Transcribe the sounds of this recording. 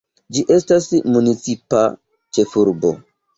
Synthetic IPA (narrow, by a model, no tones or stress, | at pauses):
d͡ʒiʔestasmunit͡sipa̰ | t͡ʃefuɾbo̰